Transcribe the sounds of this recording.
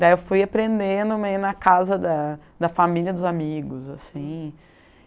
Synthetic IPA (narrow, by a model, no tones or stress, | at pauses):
d̪aiewfujapɾẽnd̪ẽnd̪ʊmejʊnɐkazɐd̪ɐd̪ɐfamiliɐd̪ʊzamiɡʊzasĩ